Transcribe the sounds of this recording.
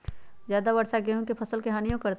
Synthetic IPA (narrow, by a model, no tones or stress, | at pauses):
zjaːd̪abɐɾsaɡeɦũkepʰɐsəlkeɦaːnijõkɐɾt̪